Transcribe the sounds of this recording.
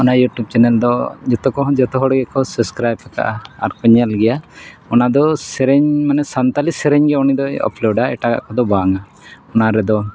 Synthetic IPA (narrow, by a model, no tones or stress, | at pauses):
ɔnajuʈjub̚t͡ʃɛnɛld̪ɔd͡ʒɔt̪ɔkɔɦd͡ʒɔt̪ɔɦɔɽɡɛkɔsubskɾajpɛka̰ʔaa̰ɾkɔɲalɡɛjaɔnad̪ɔsɛɾɛɲmanɛsant̪alisɛɾɛɲɡɛɔnid̪ɔjɔ̰plɔɖaɛ̰ʈaɡa̰ʔkɔd̪ɔbaŋa | ɔnaɾɛd̪ɔ